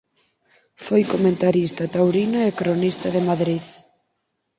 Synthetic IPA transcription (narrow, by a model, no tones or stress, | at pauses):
fojkomẽnt̪aɾist̪ɐt̪awɾinaekɾonist̪ɐðemaðɾið